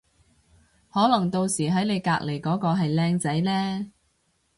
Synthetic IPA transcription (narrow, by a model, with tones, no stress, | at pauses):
hɔː˨˥lɐ˨˩ŋt̪o˧wsiː˨˩ɦɐ˨˥jne˨˧jkaː˧k̚le˨˩jkɔː˨˥kɔː˧ɦɐ˨jlɛː˥ŋt͡sɐ˨˥jlɛː˥